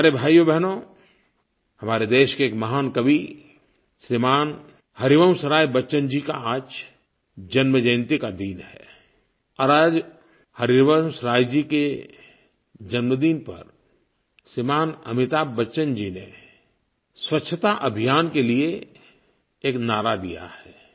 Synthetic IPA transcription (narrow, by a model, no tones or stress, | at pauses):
aɾebʱaːjobɛɦno | hɐmaːɾed̪eːʃkeːkmɐɦaːnkəbʱi | sɾimaːn | həɾiʋəmsəɾaːjbətːʃənd͡ʒika̰aːd͡ʒ | d͡ʒɐnməd͡ʒə̃ɪ̃nt̪ikad̪iːnhɛ̰ː | ɔɾaːd͡ʒ | həɾiɾʋəmsəɾaːjd͡ʒike | d͡ʒənməd̪iːnpɐ̰ɾ | sɾimaːnɐ̰mɪt̪aːbbətːʃənd͡ʒine | swətːʃʰət̪aʔɐbʱijaːnkelie | eːknaːɾad̪ija̰hɛː